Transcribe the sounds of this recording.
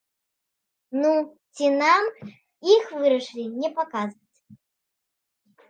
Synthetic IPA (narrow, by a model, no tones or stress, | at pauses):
nut͡sʲinam | ixvɨɾɐʂɨlʲinʲɛpakazvɐt͡sʲ